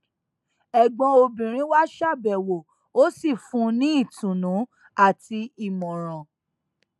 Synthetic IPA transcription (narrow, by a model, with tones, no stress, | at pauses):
ɛ˨ɡ͡bɔ̃˧o˧bĩ˨ɾ̃ĩ˦wa˦ʃa˦˨bɛ˨wo˨ | o˦si˦˨fũ˧˦nĩ˦i˦˨tũ˨nũ˨˦ | a˦˨ti˧i˨mɔ̃˨ɾ̃ã˨